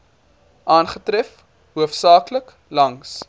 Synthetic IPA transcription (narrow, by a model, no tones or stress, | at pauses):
ʔɑːnχətɾɛf | ɦuəfsɑːklək | lɐŋs